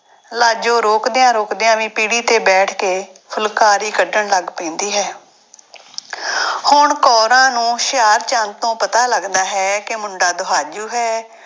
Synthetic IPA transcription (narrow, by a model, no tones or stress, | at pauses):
laːd͡ʒõːɾoːkd̪eːãːɾoːkd̪eːãːʋĩːpiːɽiːt̪eːbɛːʈʰkeːpʰʊlkaːɾiːkəɖəɳləɡpɛ̃ːnd̪iːɦɛː | hʊɳkɔːɾãːnũːʃɪjaːɾt͡ʃãnt̪õːpət̪aːləɡd̪aːɦɛːkemʊɳɖaːd̪ʊɦaːd͡ʒuːɦɛː